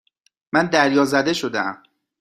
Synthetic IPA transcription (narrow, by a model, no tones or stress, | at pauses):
mænd̪æɾjɒːzæd̪e̞ʃo̞d̪eæ̰m